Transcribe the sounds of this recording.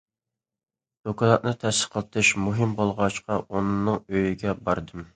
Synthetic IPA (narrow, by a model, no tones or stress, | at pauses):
d̪̥okɑlˠɑt̪̚nɨt̪ʰɛsə̥qʰəlˠt̪ʰɨʃmuɦɨmbolˠʁɑʃqɑʔonɨŋnɨŋøjiɡʲɛbɑɾd̪ɨm